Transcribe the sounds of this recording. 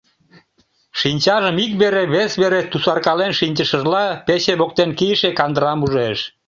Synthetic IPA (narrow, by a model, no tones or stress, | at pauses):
ʃinʲt͡ɕɑʒəmikβeɾeβesβeɾet̪usɑrkɑlenʃinʲt͡ɕəʃəʒlɑpeɕeβok̚t̪enkijəʃekɑnd̪əɾɑmuʒeʃ